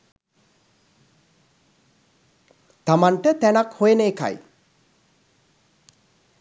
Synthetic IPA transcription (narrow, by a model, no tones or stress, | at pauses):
t̪amanʈət̪ænakhojeneːka̰j